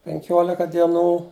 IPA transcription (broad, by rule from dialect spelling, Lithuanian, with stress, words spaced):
pʲɛŋʲˈkʲoːlʲɪkɐ dʲiɛˈnuː